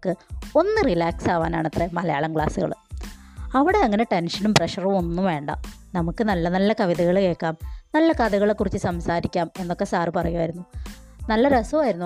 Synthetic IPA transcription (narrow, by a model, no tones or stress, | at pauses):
kːɨo̞nːɨrilaːksaːʋaːna̰ːɳɐt̪remɐlɐja̰ːɭɐmkɭa̰ːsuɣɐ̰ɭɨ | ɐʋiɽe̞ɐŋːɐne̞ʈenʂɐnumpreʂɐrumo̞nːuʋe̞ːɳɖɐ̰nɐmukːɨnɐlːɐnɐlːɐkɐʋiðɐɣɐɭke̞ːkːaːmnɐlːɐkaːðɐɣɐɭekːurit͡ɕːɨsɐmsaːɾikʲːaːme̞nːo̞kːe̞saːrɨpɐrɐjumaːjiɾunːunɐlːɐɾɐsuʋaːjiɾunːu